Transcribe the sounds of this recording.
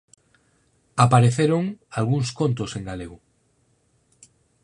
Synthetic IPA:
apaɾeθeɾoŋalɣuŋskõ̞nt̪oseŋɡalew

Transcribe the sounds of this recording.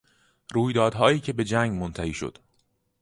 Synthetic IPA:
ɾuːjd̪ɒːd̪ɦɒːjiːcʰe̞be̞d͡ʒæŋɡmont̪ʰæhiːʃo̰d̪̥

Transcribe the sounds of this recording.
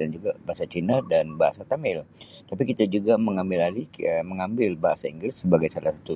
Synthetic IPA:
and͡ʒuɡabaɦasat͡ʃinadanbaɦa̰sat̪amɪl | t̪ap̬ikit̪ad͡ʒuɡaməŋambɪlaliməŋambɪlbaɦasaiŋɡɾɪsːəbaɡajsalasat̪u

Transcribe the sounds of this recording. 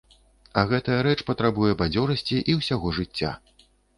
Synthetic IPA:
ɐɣɛt̪ɐjɐɾɛt͡ʂpɐt̪ɾabujɛbad͡zʲɔɾɐsʲt͡sʲiʔiwsʲaɣɔʐɨt͡sʲːa̰

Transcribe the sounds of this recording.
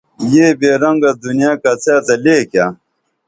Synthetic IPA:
jeːbeːɾɐŋɡad̪unjaːkɐt͡sʰaːt̪ɐleːkja

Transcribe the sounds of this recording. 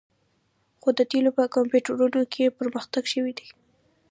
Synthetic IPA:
xod̪ət̪elopəkampjuʈəɾunokʰepəɾməxt̪aɡʃəwid̪i

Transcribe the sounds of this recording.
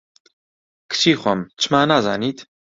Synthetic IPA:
kʰɨ̥t͡ʃʰiːχʷɔmt͡ʃʰɨmaːnaːzaːniːt̪

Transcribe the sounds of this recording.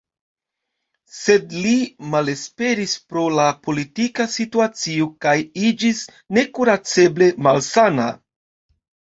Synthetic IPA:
se̞dlimale̞spe̞ɾispɾo̞lapo̞litikasituat͡siokajid͡ʒis | ne̞kuɾat͡se̞ble̞malsana̰

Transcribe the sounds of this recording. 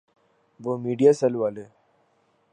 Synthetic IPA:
ʋəmiɽijasəlʋale

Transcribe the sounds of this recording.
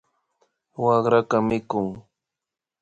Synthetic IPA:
wɑχɾakamɪkʊŋ

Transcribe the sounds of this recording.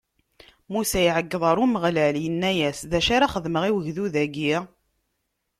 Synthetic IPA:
musæiʕəɡːəðˤɑɾˤuməʁlæljənːæjæsðæʃaɾaχəðməʁiwəʝðuðæɡiʁ

